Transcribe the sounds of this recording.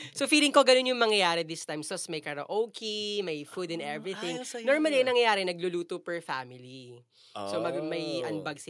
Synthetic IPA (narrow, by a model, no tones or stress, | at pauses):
sofiːlɪŋko̞ɡɐno̞njʊŋmɐŋjɐjaːɾɛd̪ɪst̪ajmsosmɐjkɐɾɐʔowkimɐjfud̪ɛ̃nd̪ɛvɹiθɪ̃ŋnoɹmɐlɐnɐŋjɐjaːɾɛnɐɡ̚lʊluːt̪opɛɹfa̰mɪli | somɐɡmɐjʔɐnbɐɡs